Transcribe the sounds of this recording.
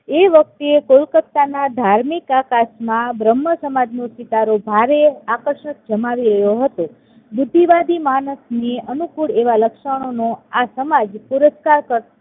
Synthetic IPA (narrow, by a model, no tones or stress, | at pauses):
eʋək̚t̪ekolkət̪ːanad̪ʱaɾmikakasmãbɾəmːəsəmad͡ʒnosit̪aɾobʱaɾeakəɾʃək̚d͡ʒəmaʋiɾəjoɦət̪o | bʊd̪ʱːiʋad̪imanəsneənukuɽeʋaləkʃəɽ̃onoasəmad͡ʒpuɾəskaɾkəɾ